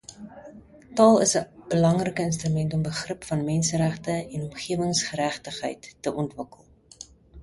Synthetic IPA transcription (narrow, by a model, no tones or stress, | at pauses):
tɑːlˠəsəb̥əlɐŋrəkəəns̬trymɛntɔmbəχrəpfɐnmɛnsəɾæχtəɛnɔmχiəvəŋsχəɾæχtəχɦə̰jtːəʔɔntvəkəlˠ